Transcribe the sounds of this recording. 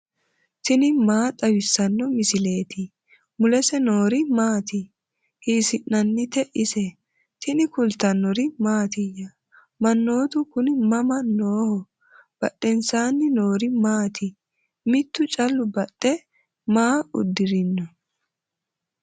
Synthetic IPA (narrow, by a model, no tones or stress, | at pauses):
t̪ɪnɪmaːt̪ʼɐwɪsːɐnːɔmɪsɪle̞ːt̪ɪ | mʊlɛsɛnoːɾɪmaːt̪ɪ | hiːsɪnːɐnːɪt̪ɛʔɪsɛ | t̪ɪnɪkʊlt̪ɐnːɔɾɪmaːt̪ɪjɐ | mɐnːo̞ːt̪ʊkʊnɪmɐmɐnoːhɔ | b̥ɐɗːɛnsaːnːɪno̞ːɾɪmaːt̪ɪ | mɪt̪ːʊt͡ʃʼɐlːʊbɐɗːɛ | maːʊ̰d̪ːɪɾɪnːɔ